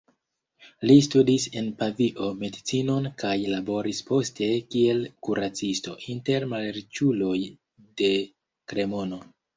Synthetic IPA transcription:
listudise̞npaviʔo̞me̞dit͡sino̞nkajlabo̞ɾispo̞ste̞kie̞lkuɾat͡sisto̞̰ʔinte̞ɾmaleɾit͡ʃulo̞j | de̞ | kɾe̞mo̞no

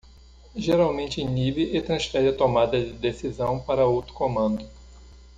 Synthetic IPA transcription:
ʒeɾawmẽnt͡ʃɪĩnibɪʔɪt̪ɾɐ̃sfɛɾɪɐt̪omad̪ɐd͡ʒɪd̪esizɐ̃w̃paɾɐowt̪ɾʊ̥kõmɐ̃nd̪ʊ

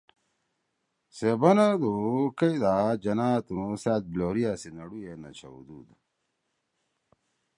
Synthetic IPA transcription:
sebɐnad̪ukɐid̪ad͡ʑɐnaːt̪unusaːt̪̚bloːɾijasenɐɽujenɐ̰t͡ɕʰɐ̰ṵd̪ṵd̪a

